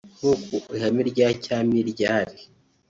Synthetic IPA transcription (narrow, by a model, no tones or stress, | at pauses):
hukoihamiɾɟacaːmiɾɟaːɾi